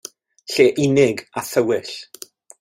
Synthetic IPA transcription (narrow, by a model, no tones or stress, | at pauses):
ɬeːʔɪnɪɡaθəwɪɬ